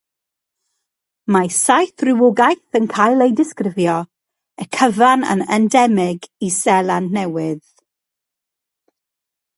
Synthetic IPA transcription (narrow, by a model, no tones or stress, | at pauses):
masajθrɪwʊɡajθənkʰajlˠejdɪskrɪvjɔ | əkʰəvanə̰nəndɛmɪɡisɛlˠannɛwɪð